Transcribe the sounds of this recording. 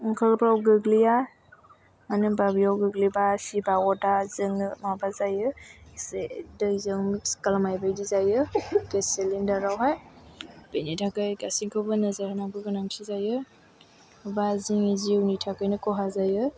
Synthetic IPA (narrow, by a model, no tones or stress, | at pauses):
ŋkʰalpɾawɡɯɡlija | manɯbabijawɡɯɡlibasibawɔdazɯŋmabazajɯsedɯjzɯŋmiskalamajbajdizajɯkeselindaɾawɦaj | b̥enitʰakɯjɡasiŋkʰawbɯnazajhanaŋkɯɡɯnaŋsʰizajɯ | baziŋiziwnitʰakɯjnɯkɔɦazajɯ